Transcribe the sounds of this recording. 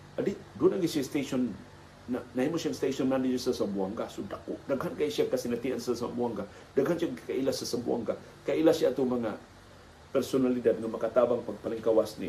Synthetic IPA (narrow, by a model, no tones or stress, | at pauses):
adidunaɡisiast̪esɔnː | anaimusaŋst̪esɔnmandid͡ʒusasambuaŋkahsudakːṵdəɡɦankaisiakasinat̪iansəsa̰mbuaŋɡa | daɡɦant͡ʃiakaʔilasasəbua̰ŋka | kaʔilasiat̪umaŋa | pɛrsonalidat̪̚dəŋanmakat̪abaŋpapalɪŋkawasnḭ